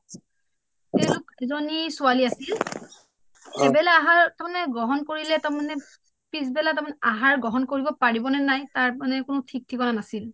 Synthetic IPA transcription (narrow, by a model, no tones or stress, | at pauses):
telʊkɛzɔnisʊaliasil | ɛbɛlaːɦaɹtamanɛɡɹɔɦɔnkoɹilɛtamanɛ | pisbɛlatamanɛʔaɦaɹɡɹɔɦɔnkoɹibɔpaɹibɔnɛnajtaɹmanɛkʊnʊtʰik̚tʰikɔnanasil